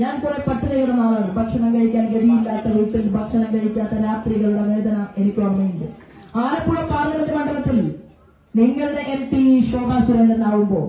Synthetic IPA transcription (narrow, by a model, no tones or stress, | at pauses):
ɲaːnpoːɾepɐʈːiðɐjuɽɐnaːɭaːɳɨbʱɐkʂɐnɐŋɡɐjikʲːaːnɡed̪ijilːaːt̪ːɐluːʈːilbʱɐkʂɐnɐŋɡɐjikʲːaːt̪ːɐɾaːt̪riɣɐɭuɽe̞ʋe̞ːd̪ɐnɐe̞nikʲːuʋɐrmːɐjuɳɖɨ | aːjɐpːuːɭɐpaːrlɐmɐnd̪imɐɳɖɐlɐt̪ːil | niŋːɐɭɽeʔempiɕo̞ːb̪ʱaːsuɾeːnd̪ɾɐnaːɣumbo̞̰ː